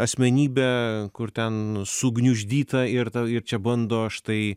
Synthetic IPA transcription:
ɐsʲmʲɛnʲiːbʲɛːkʊɾt̪ʲɛnsʊɡnʲʊʒʲd̪ʲiːt̪ɐɪɾt̪ɐɪɾt͡ʃʲɛbɐnd̪oːʃt̪ɐɪ

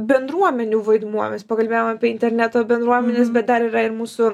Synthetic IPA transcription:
bʲɛnd̪ɾuɔmʲɛnʲuːʋɐɪd̪muɔmʲɛspɐkɐlʲbeːjomɑːpʲiɛɪnʲt̪ʲɛɾʲnʲæt̪oːbʲɛnd̪ɾuɔmʲɛnʲesbʲɛt̪̚d̪ɐɾiːɾɐɪɾmuːsʊ

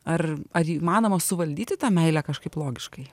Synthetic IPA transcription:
ɐrɐɾiːmɑːnoːmɐsʊʋɐlʲd̪ʲiːt̪ʲɪt̪ɑːmʲɛɪlʲækɐʃkɐɪplˠoːɡʲɪʃkɐɪ

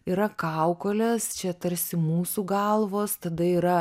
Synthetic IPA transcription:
iɾɐkɑʊkoːlʲɛst͡ʃʲɛt̪ɐɾʲsʲɪmuːsuːɡɐlˠʋoːst̪ɐd̪ɐiːɾɐ

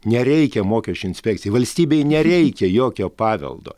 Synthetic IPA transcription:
nʲɛɾʲɛɪkʲɛmoːkʲɛʃʲt͡ʃʲʊɪnʲsʲpʲɛkt̪ʲɪjɛʋɐlʲsʲt̪ʲiːbʲɛɪnʲɛɾʲɛɪkʲɛjoːkʲoːpɑːʋʲɛ̰lˠd̪o̰ː

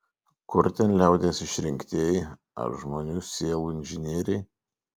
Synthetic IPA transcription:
kʊɾt̪ʲɛnlʲɛˑʊd̪ʲeːsɪʃʲɾʲɪŋʲkʲt̪ʲeːj | ɐ̰ɾʒmoːnʲuːsʲiːɛlˠuːɪnʲʒʲɪnʲiɛɾʲɛɪ

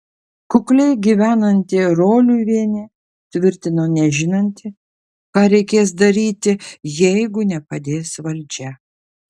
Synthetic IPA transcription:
kʊklʲɛɪɡʲiʋʲæːnɐnʲt̪ʲɪɾoːlʲuʋʲiɛnʲeː | t̪ʲʋʲɪɾʲt̪ʲɪnoːnʲɛʒʲɪnɐnʲt̪ʲɪ | kɑːɾʲɛɪkʲeːs̬d̪ɐɾʲiːt̪ʲɪjɛɪɡʊnʲɛpɐd̪ʲeːsʋɐlʲd͡ʒʲɛ

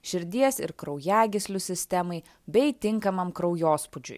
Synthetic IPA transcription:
ʃʲɪɾʲd̪ʲiɛsɪ̰ɾkɾɒʊjæːɡʲɪsʲlʲʊsʲɪsʲt̪ʲɛmɐɪ | bʲɛɪt̪ʲɪŋˑkɐmɐmkɾɒʊjoːspʊd͡ʒʲʊ̰j

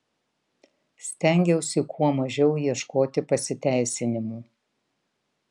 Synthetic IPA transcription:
sʲt̪ʲɛˑŋʲɡʲɛʊsʲɪkʰuɔmɐʒʲɛʊjiɛʃkoːt̪ʲɪpɐsʲɪt̪ʲæˑɪsʲɪnʲɪmuː

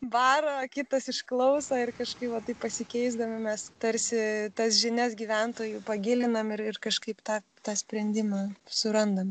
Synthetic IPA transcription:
bɑːɾoːkʲɪt̪ɐsɪʃklˠɐʊsɐːɪrkɐʃkɐɪpʋɐt̪ɐɪppɐsʲɪkʲɛɪzd̪ɐmʲɪmʲɛst̪ɐɾʲsʲɪt̪ɐsʒʲɪnʲɛsɡʲiːʋʲɛnt̪oːjupɐɡʲɪlʲɪnɐmɪrɪrkɐʃkɐɪpt̪ɑː | t̪ɑːsʲpʲɾʲɛnʲd̪ʲɪmɑːsʊɾɐnd̪ɐm

